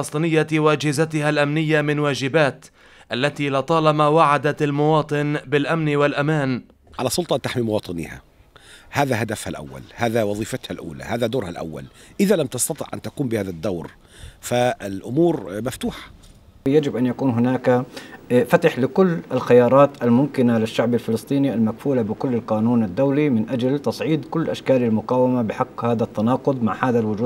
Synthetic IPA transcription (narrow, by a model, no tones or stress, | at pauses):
lɑsˤt̪ˤɨnɪjːawaʔad͡ʒhɪzat̪ɪhalʔamnɪjːamɪnwaːd͡ʒɪbaːt̪ | ʔalːat̪iːlɪt̪ˤɑːlɑmawaʕad̪almʊwɑːt̪ˤɨnbɪlʔamnwalʔamaːn | ʕalasˤʊlt̪ˤɑʔant̪aħmimʊwɑːt̪ˤɨnḭha̰ | haːðaɦad̪afhalʔa̰wːa̰lhaːðawɑðˤiːfat̪halʔṵːla̰haːðad̪oːɾhalʔa̰wːa̰lʔɪðalamt̪ɑst̪ɑt̪ˤɪ̰ʕʔa̰nt̪akuːmbɪhaːðad̪ːawɾ | faɪlʔʊmuːɾmaft̪uːħḁ | jad͡ʒɪbʔanjakuːnɦʊnaːka | fat̪ɪħlɪkʊlːɪlxɪjɑːɾˤɑːt̪ʔalmʊmkɪnalɪʃːaʕbalfɪlsˤt̪ˤiːniʔalmakfuːlabɪkʊlːɪlqɑːnuːnad̪ːawlimɪnʔad͡ʒalt̪ɑsˤʕiːd̪kʊlːʔaʃkaːlalmʊqɑːwamabɪħɑqːhaːðat̪ːanɑːqʊd̪ˤmaʕhaːðalwʊd͡ʒuː